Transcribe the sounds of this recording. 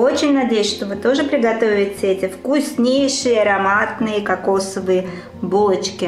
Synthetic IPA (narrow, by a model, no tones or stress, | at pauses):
ot͡ɕɪnʲnɐdʲejʉsʲʂt̪ovɨt̪o̞ʐɨpɾʲɪɡɐt̪o̞vʲɪtʲɛtʲɪfkusʲnʲejʂɨjəɐɾɐmat̪nɨjəkɐko̞səvɨjə | bolˠət͡ɕkʲɪ